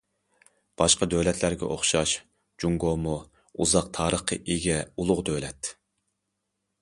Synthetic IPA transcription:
b̥ɑʃqɑd̪ølɛt̪ʰlæɾɡʲɛ̰ʔoχʃɑʃ | d͡ʒuŋɡomu | uzɑq̚t̪ʰɑːɾəχqə̰ʔiɡʲɛulˠʊʁd̪ølɛt̪

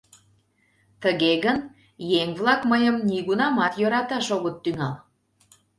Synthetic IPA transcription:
t̪əɣeɣən | jeŋβlɑkməjəmniɣunɑmɑt̪jøɾɑt̪ɑʃoɣot̪ːyŋɑl

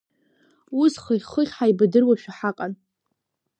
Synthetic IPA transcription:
usχəχəχʲħaibadɨrwaʃᶣaħaqʼan

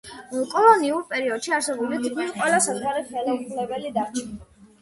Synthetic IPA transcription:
kʼɔlˠɔniuɾpʼɛɾiɔd̪̥ʃiaɾsɛbulid̪ɡiɾqʼwɛlasazʁwaɾiχɛlaupʰlɛbɛlid̪aɾt͡ʃʰn

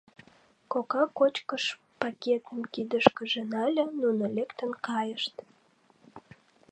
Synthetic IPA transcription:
kokɑkot͡ɕkəʃ | pɑkʲet̪əmkid̪əʃkəʒĕnɑlʲenunəlʲekt̪ənkɑjəʃt̪

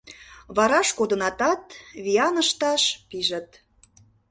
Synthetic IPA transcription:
βɑɾɑʃkod̪ə̆nɑt̪ɑt̪βijɑnəʃt̪ɑʃpiʒə̆t̪̚

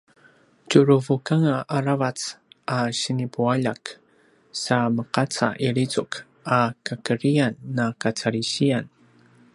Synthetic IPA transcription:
t͡ʃʊɾuvukaŋaʔaɾavat͡sʔaɕinipuaʎak | saməqat͡sa̰ʔiɾit͡sʊk | akakəɾijanːakat͡saɾiɕijan

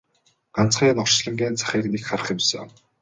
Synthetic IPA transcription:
ɢ̥an̥t͡sχiːnɔ̥t͡ɕɮə̆ŋɡeːnt͡sʰḁχʲiːknekχarə̆χɪ̆msə

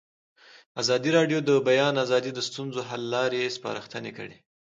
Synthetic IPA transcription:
azɑd̪iɾɑɖjod̪əbajɑnazɑd̪id̪əst̪unzoɦalːɑɾespɑ̰ɾaxt̪ənekə̰ɽe

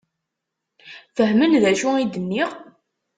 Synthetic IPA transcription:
fəɦmənðæʃuid̪ənːiʁ

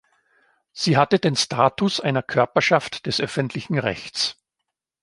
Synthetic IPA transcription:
z̥iːɦatədeːnstʰaːtʊsʔaɪnɐkʰœɐpɐʃaftd̥ɛsʔœfəntʰlɪçn̩ʁɛ̰çt͡s

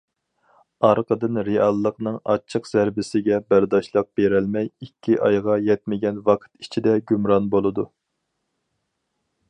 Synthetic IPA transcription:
ɑɾqʰəd̪ɨnɾeɑlˠːəqnɨŋɑ̰t͡ʃʰːəqzæɾbɪsɪɡʲɛbæɾd̪ɑʃlˠəq̚b̥eɾɛlmɛjikʲʰːiʔɑjʁɑjɛt̪̚mɪɡʲɛnvɑqʰə̥t̪it͡ʃʰid̪ɛɡʲymɾɑnbolˠɨd̪u

